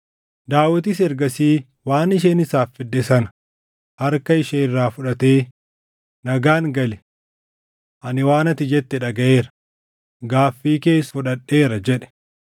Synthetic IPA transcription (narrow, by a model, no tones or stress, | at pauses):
d̪aːwɐt̪ɪsɛɾɡɐsiː | waːnɪʃeːnɪsaːfːɪd̪ːɛsɐnɐ̥ | hɐɾkɐɪʃeːrːaːfʊᶑɐt̪e̞ː | nɐɡaːnɡɐlɛ | ʔɐnɪwaːnɐt̪ɪd͡ʒɛt̪ːɛᶑɐɡɐʔe̞ːɾɐ̥ | ɡaːfːiːke̞ːsfʊᶑɐᶑːe̞ːɾɐd͡ʒɛᶑɛ̥